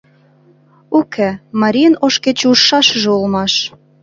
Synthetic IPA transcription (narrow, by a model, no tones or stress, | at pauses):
ukʰemɑɾʲijənoʃket͡ɕuʃːɑʃʒeulmɑʃ